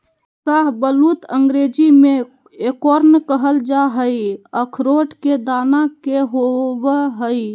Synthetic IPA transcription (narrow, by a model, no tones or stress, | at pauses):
saɦbəlut̪əŋɡɾed͡ʒime | ekoɾnkəɦəld͡ʒaɦəjəkʰɾoʈked̪anakeɦobəɦəj